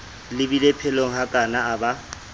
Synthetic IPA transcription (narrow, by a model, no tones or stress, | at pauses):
lɪbilepʰɛloŋ̩ɦakʼanaːba